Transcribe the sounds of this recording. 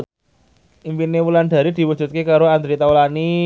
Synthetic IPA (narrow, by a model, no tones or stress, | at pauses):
impinewuland̪̥a̤ɾid̪̥i̤wud̥d͡ʒ̥ṳt̪̚kekaɾoand̪ɾit̪aulani